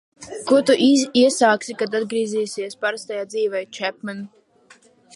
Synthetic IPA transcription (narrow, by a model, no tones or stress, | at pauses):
kuɔt̪uʔiiɛsaːksikad̪ad̪ɡɾiːziːsʲiɛspaɾast̪ajaːd̪ziːvɛjt͡ʃɛp̚mɛn